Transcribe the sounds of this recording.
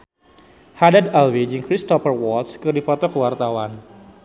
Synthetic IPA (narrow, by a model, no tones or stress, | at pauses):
hadadalwid͡ʒɨŋkɾist̪ɔfərwɔt̪skɨrdipɔt̪ɔkəwart̪awan